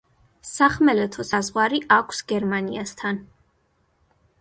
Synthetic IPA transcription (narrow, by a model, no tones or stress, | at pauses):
saχmɛlɛt̪ʰɔsazʁwaɾiʔakʷʰsɡɛɾmaniast̪ʰan